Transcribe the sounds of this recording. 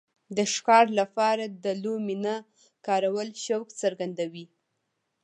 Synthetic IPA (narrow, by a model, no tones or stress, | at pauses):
d̪əʃkɑɾlapɑɾad̪əlomina | kɑɾawəlʃawkt͡səɾɡand̪awi